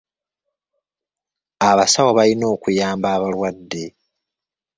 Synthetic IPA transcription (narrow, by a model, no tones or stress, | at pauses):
aβasawoβalino̞ːkujaːmbaːβalwadːe̞